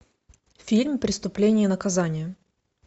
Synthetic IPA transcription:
fʲilʲmʲpɾʲɪst̪ʊplʲenʲɪjənəkɐzanʲɪjə

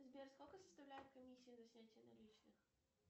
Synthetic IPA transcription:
zʲbʲerskolʲkəsəst̪ɐvlʲæjɪt̪̚kɐmʲisʲːɪɪzɐsʲnʲætʲɪjənɐ̰lʲit͡ɕnɨx

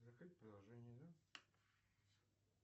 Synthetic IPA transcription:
zɐkɾɨt̚ʲpɾəd̪ɐlˠʐɛnʲɪjəd̪a

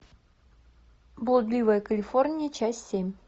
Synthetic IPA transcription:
bolˠəd̪lʲivəjəkəlʲifornʲɪjət͡ɕasːʲemʲ

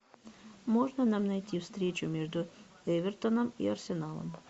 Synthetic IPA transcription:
moʒnanamnajt̪iwst̪ɾet͡ɕumeʒd̪u | eʋeɾt̪onomḭaɾsenaːlˠo̰m

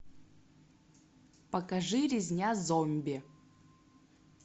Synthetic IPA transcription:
pɐkɐʐɨɾʲɪzʲnʲazomʲbʲɪ

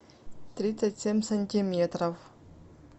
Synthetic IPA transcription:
t̪rʲit̪sətʲsʲemʲsɐnʲtʲimʲet̪rəf

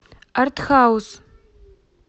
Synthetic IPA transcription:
artχawz

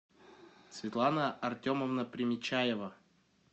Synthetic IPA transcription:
svʲɪt̪lˠanəɐrtʲoməvnəpɾʲɪmʲɪt͡ɕajɛvə

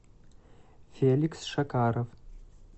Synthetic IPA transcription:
feːliksʂɐkʰaːɾov

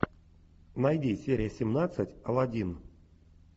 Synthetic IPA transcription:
najdʲisʲeɾʲɪjəsʲɪmnat̪sɨtʲalˠadʲin

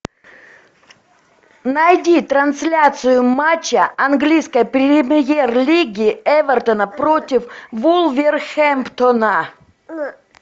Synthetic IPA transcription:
nɐjdʲit̪ɾɐnsʲlʲat̪sɨjʊmat͡ɕːəɐnɡlʲijskəjpɾʲɪmʲjerlʲiɡʲɪɛvʲərt̪ənəpɾotʲɪfvulˠvʲɪrxɛmpt̪onə

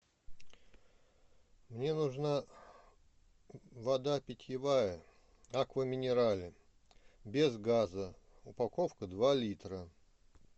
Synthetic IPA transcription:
mnʲe̞nʊʐna | vɐd̪apʲɪtʲjɪvajə | akvəmʲɪnʲɪɾalʲɪ | bʲɪzɡazə | ʊpɐkofkəd̪valʲit̪ɾə

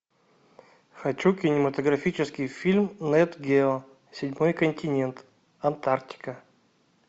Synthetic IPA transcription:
xɐt͡ɕukʲɪnʲɪmət̪əɡɾɐfʲit͡ɕɪskʲɪjfʲilʲmnɛt̪ɡʲe | sʲɪdʲmo̞jkənʲtʲɪnʲe̞nt̪ | ɐnt̪arktʲɪ̥kə

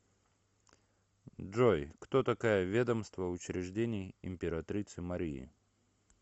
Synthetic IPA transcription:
ʐojkt̪ot̪ɐkajəvʲe̞d̪əmst̪vəʊt͡ɕɾʲɪʐdʲenʲɪjɪ̰mʲpʲɪɾɐt̪ɾʲit̪sɨmɐɾʲiɪ̰

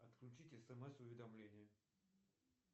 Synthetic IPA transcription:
ɐt̪klʲʉt͡ɕitʲɛsɛmɛsʊvʲɪd̪amlʲenʲɪjə

